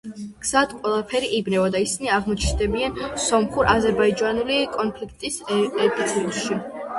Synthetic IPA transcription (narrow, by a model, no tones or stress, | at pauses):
ɡ̥z̥ad̪qʼwɛlˠapʰɛɾiʔibnɛvɔd̪aisiniaʁmɔt͡ʃʰnd̪ɛbiansɔmχuɾʔazɛɾbaid͡ʒanulikʼɔnpʰlikʰt̪ʼisɛpʰit̪sʰilˠʃi